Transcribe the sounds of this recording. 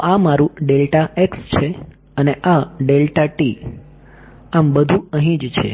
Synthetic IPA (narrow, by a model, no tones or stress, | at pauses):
ʔamaɾũɖelʈaʔekst͡ʃʰe | əneʔaɖelʈaʈi | ambəd̪ʱũəɦĩd͡ʒt͡ʃʰḛ